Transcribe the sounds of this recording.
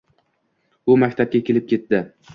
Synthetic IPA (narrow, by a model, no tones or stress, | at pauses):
ʊmakʲt̪ʰap̚kʲakʲʰe̞lɪp̚kʲʰe̞t̪d̪ɪ